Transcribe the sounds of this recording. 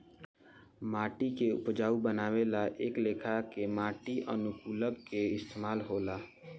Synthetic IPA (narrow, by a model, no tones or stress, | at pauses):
maːʈikeʊ̰pd͡ʒaːubənaːwelaʔeːkleːkʰakemaːʈiʔə̰nʊkuːləɡkeɪst̪eːmaːlɦoːlaː